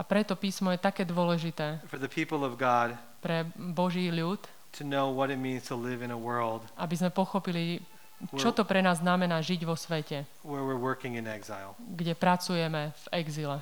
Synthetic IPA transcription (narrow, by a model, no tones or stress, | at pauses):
apɾɛt̪ɔpiːsmɔjɛt̪akɛːd̪ʊɔlɛʒit̪ɛːfə˞ðɨpʰipl̩ˠʌvɡɑd̥̚ | pɾɛbɔʒiːʎuːt̪ | tʰɨnoʊwʌɾɨt̚mĩnz̥tʰəlɪvɨ̃nəwɜ˞lˠd̥ʔabizmɛpɔxɔpili | t͡ʃt͡ʃɔt̪ɔpɾɛnaːzːnamɛnaːʒiɟʋɔsʋɛcɛ | wə˞wɪɹwɜ˞kɪ̃ŋɨ̃nɛɡzaɪlˠɡɟɛpɾat͡sujɛmɛv̥ɛɡzilɛ